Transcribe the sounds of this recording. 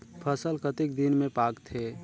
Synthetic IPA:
pʰəsəlkət̪ik̚d̪inmẽpaɡt̪ʰe

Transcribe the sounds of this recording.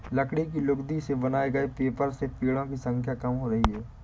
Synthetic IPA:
lɐkɽik̬ilʊɡd̪isebɐnaːeɡɐepeːpəɾsepiːɽõkisə̃ŋkʰjakɐmɦoɾɐɦiɦɛː

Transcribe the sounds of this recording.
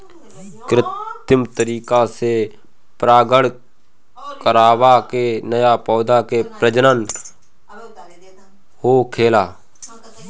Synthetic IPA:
kɾɪt̪ɪmt̪əɾiːkase | pɾaːɡəɽ | kəɾaːwaːkenəjaːpɔːd̪ãːkepɾəd͡ʒənən | hoːkʰeːlaː

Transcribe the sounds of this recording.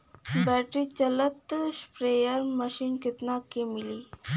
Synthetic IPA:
bɛʈɾit͡ɕələt̪spɾejəɾməɕiːnkit̪nakemili

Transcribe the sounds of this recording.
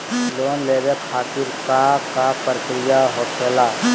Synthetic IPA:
loːnleːbekʰaːt̪iɾkakapəɾkɾijaɦoːkʰeːla

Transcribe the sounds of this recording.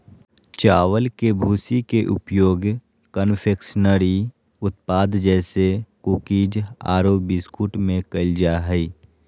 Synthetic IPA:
t͡ʃaːwəlkebʱuːsikeʔʊ̰pjoːɡ | kənpʰeːkʃnəɾi | ʊt̪paːd̪d͡ʒɛːsekuːkiːd͡ʒa̰ːɾoːbɪskuʈmẽkəld͡ʒaɦɛi

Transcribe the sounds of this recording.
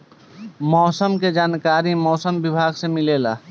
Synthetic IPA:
mɔːsəmked͡ʒaːnkaːɾimɔːsəmʋɪbʱaːɡsemɪleːla̰ː

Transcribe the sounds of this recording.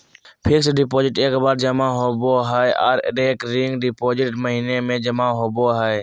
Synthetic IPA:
pʰɪksɖɪpoːd͡ʒɪʈeːkbaːɾd͡ʒəmaɦoboɦaeʔɔ̰ːɾɾeːkɾɪŋɡɖɪpoːd͡ʒɪʈməɦiːnemẽd͡ʒəmaɦoboɦae

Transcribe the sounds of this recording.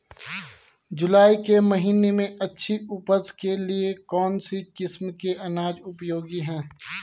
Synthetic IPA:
d͡ʒʊlaːikemɐɦiːnemẽɐtːʃʰiʊpəskeliekɔːnsikɪsmkeɐnaːd͡ʒʊpjoːɡiɦɛ̃ː

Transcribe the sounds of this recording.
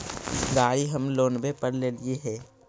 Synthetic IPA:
ɡaːɽiɦəmloːnbepəɾleːlieɦɛː

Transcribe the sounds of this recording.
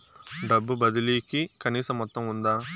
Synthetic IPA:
ɖɐbːubɐd̪iliːkikɐniːsɐmːɔt̪ːɐmund̪aː

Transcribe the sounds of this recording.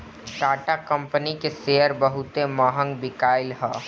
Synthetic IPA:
ʈaːʈakə̃mpənikeseːəɾbəɦʊt̪emaːɦə̃ŋɡbɪkaːɪlɦɛː

